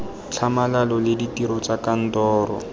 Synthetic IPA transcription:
t͡ɬʰamalalɔlɪditiɾɔt͡sakan̩tɔːrɔ̰

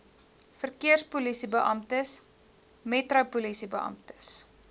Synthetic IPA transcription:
fərkiərspulisibəʔɐmtəs | metrɐpulisibəʔɐ̰mtə̥s

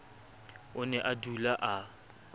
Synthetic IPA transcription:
ʊnɛʔadulaʔa

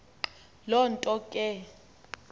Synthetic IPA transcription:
lɔntʼɔkʼɛ

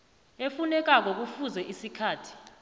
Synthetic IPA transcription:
efunɛk̬ak̬ɔk̬ufuzɛʔisikʰaːtʰi̥

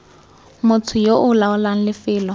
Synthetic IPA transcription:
mʊt͡sʰʊjoʔʊlaʊlaŋ̩lɪfɪːlɔ

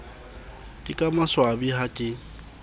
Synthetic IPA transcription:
dʼikʼamaswabihakʼɪ

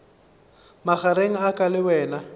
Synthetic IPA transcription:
maχaɾeŋ̩akʼalɪwɛːna

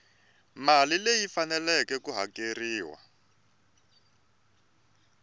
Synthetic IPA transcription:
malilejifanɛlɛkɛkuɦa̰keriːwa̰

